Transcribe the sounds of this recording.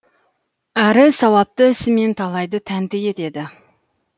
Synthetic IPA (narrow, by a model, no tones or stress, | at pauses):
æɾɪsɑwɑp̚t̪əɪsɪme̞nt̪ʰɑlˠɑjd̪ət̪ʰænt̪ɪe̞t̪e̞d̪ɪ